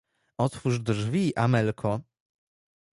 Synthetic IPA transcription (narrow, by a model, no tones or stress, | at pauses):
ɔt̪fuʐd̪ʐvʲiʔamɛlkʰɔ